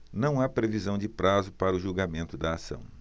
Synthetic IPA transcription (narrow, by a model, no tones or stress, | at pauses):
nɐ̃w̃apɾevizɐ̃w̃d͡ʒɪpɾazʊpaɾɐʊʒuwɡamẽnt̪ʊd̪ɐːsɐ̰̃w̃